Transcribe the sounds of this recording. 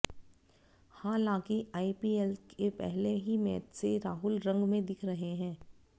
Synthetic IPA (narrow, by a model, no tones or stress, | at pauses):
hãːlãːkiaːipiːelkʰepɛ̰ɦleɦimɛːt̪seɾaːɦʊlɾɐ̃ŋɡmẽd̪ɪkʰɾɐɦeɦɛ̃ː